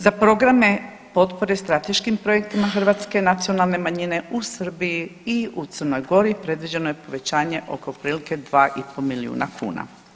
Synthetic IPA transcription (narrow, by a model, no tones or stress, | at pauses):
zapɾo̞ɡɾame̞ | po̞t̪po̞ɾest̪ɾat̪e̞ʃkimpɾo̞jek̚t̪imaxrʋaːt̪ske̞nat̪sio̞nalˠne̞maɲine̞ʔusr̩biiiut̪sərno̞jɡo̞ɾipɾe̞d̪ʋid͡ʑe̞nojepo̞ʋe̞t͡ɕaːɲe̞ʔo̞̰ko̞pɾiːlike̞d̪ʋaːʔipolmiliṵːna̰kʰṵːna̰